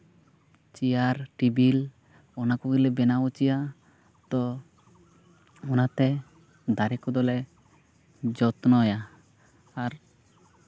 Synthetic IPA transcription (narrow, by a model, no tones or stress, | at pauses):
t͡ʃijaɾʈibil | ɔnakuɡilɛbɛnaɔt͡ʃija | t̪ɔ | ɔnat̪ɛ | d̪aɾɛkɔd̪ɔlɛ | d͡ʒɔt̪nɔjaː | ɾ